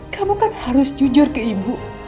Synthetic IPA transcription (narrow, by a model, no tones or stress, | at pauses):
kamukanhaɾʊsd͡ʒud͡ʒʊrkəibuʔ